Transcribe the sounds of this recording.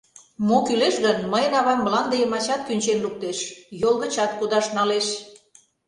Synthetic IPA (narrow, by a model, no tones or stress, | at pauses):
mokyleʃɣənməjənɑβɑmːəlɑnd̪ejəmɑt͡ɕɑt̪̚kynʲt͡ɕenluk̚t̪eʃjolˠɣə̆t͡ɕɑt̪kud̪ɑʃnɑleʃ